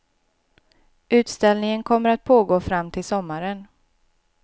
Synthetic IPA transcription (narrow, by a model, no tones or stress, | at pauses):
ʉ̟ːt̪st̪ɛlnɪŋənkʰɔmːəɾat̪̚pʰoːɡoːfɾamːt̪ʰɪlsɔmːaɾən